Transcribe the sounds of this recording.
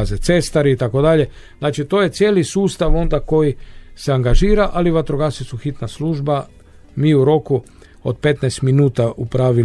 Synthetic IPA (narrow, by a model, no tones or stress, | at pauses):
zet̪se̞st̪aɾiːt̪ako̞d̪aʎe̞ | znaːt͡ʃit̪o̞je̞t̪sje̞ːlisuːst̪aʋo̞nd̪ako̞jiseaŋɡaʒiːɾaʔaliʋat̪ɾoɡasisuxit̪nasluːʒba | miːuɾo̞ku | o̰d̪̚pe̞t̪najst̪minuːt̪aʔupɾaːʋi